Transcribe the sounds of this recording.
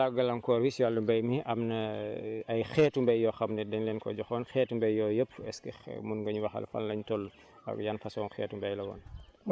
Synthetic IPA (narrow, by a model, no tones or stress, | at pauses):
aɡɐlɐmkɔːɾwisjalːumbɐjmiʔɐmnɐ | ɐjxɛːtumbɐjːɔxɐmnɛdɛɲlɛːnkɔ̰ɟɔxɔːnxɛːtumbɐjːɔːjəpːɛskɛ̰munɡɐɲwɐxɐ̰lfɐ̰llɐɲtɔlː | ɐ̰kjanfɐsɔːnxɛ̰ːtumbɐjlɐwɔ̰ːn